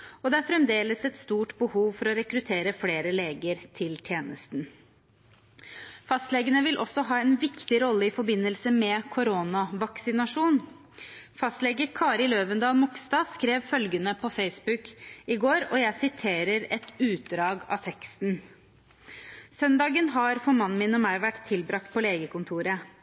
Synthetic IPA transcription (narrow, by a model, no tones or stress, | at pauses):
ɔd̪ɛæɾfɾɛmd̪eːləsɛt̪st̪uːʈbəhuːʋfɔɾɔɾɛkɾʉt̪ʰeːɾəfleːɾəleːɡəɾt̪ʰɪlt̪ʰjeːnəst̪n | fɑst̪lɛːɡənəʋɪlʔɔ̰sːɔɦɑːɛnʋɪkt̪ɪɾɔlːəɪfɔɾbɪnːəlsəmɛkʰʊɾoːnɑʋɑksɪnɑʂuːn | fɑst̪lɛːɡəkʰɑːɾɪløːʋənd̪ɑːlmʊksd̪ɑːskɾeːʋfœlɡənəpʰɔfeɪsbʉkɪɡoːɾɔjæɪsɪt̪ʰeːɾəɾɛt̪ʉːt̪̚d̪ɾɑːɡɑ̰ːt̪ʰɛkst̪n | sœnd̪ɑːɡənɦɑɾfɔɾmɑnːmɪnɔmæɪʋæʈːt̪ʰːɪlbɾɑk̚t̪̚pʰɔleːɡəkʊnt̪ʰuːɾə